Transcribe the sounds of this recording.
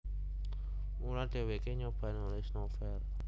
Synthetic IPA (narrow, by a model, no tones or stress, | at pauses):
uɾad̪̥e̤wekeɲɔb̥ä̤nolesnɔfɛr